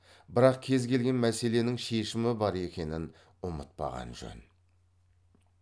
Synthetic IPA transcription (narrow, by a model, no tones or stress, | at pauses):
bɪɾɑq̚kʲʰe̞zɡʲʰe̞lɡʲe̞nmæse̞le̞nɪŋʃe̞ʃɪmɪbɑɾe̞kʲe̞nɪn | ʊmət̪̚pɑ̰ʁɑ̰nʒɵ̰n